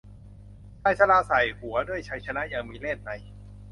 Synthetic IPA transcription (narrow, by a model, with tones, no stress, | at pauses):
tʰaː˧˩jsa˧laː˧sa˨˩jhu˩˦ɐdu˥˩əjt͡ɕʰa˧˦˥jt͡ɕʰa˧na˦˥ʔjaː˨˩ŋmiː˧le˥˩t̪̚na˧j